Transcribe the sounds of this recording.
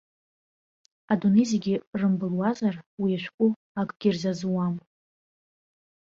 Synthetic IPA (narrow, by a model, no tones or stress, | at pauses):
adunejzeɡʲɪrɨmbɨlwazarwiaʃʷᶣkʷʼʊ | akʼɡ̥ʲirzazwam